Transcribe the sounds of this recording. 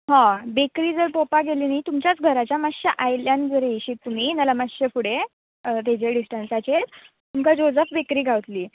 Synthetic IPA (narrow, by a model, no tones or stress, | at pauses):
ɦãbekɾiːd͡zəɾpopaɡeliːnait̪umt͡ɕjat͡sɡʱəɾat͡ɕjamaɕəʔajljãnd͡zəɾeɕiːt̪ːum̤iːnalamaɕəfuɽe | ət̪ed͡ʑeɖisʈənsat͡ɕet̪ | t̪umkad͡ʑod͡zəfbekɾiːɡʱaʋt̪liː